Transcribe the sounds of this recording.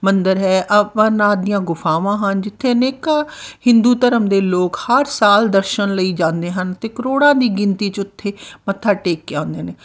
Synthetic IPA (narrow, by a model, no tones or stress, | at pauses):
mənd̪əɾɦɛːʔəənaːd̪ɪjãːɡʊfʰaːʋãːɦənd͡ʒɪt̪ʰːeːneːkaːhɪ̃nd̪uːt̪əɾəmd̪eːloːkhəɾsaːld̪əɾʃənləiːd͡ʒãːnd̪eːɦənt̪eːkəɾoːɽãːd̪iːɡɪnt̪iːt͡ʃʊt̪ʰːeːmət̪ʰːaːʈeːkːeãːnd̪eːneː